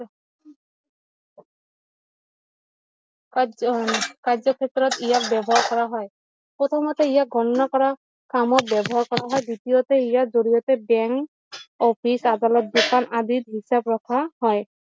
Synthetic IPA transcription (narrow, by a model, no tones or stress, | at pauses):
kazɔkʰɛt̪ɔɹɔt̪ijak̚bɛbɔɦaɹkɔɹaɦɔj | pɹɔt̪ʰɔmat̪ɛijaɡʱɔnɔnakɔɹa | kamɔt̚bɛbɔɦaɹkɔɹaɦɔjd̪itijɔtɛijazoɹijɔtɛbɛŋk | ɔpʰisad̪alɔt̪̚dokanad̪it̪ɦisabɹɔkʰahɔj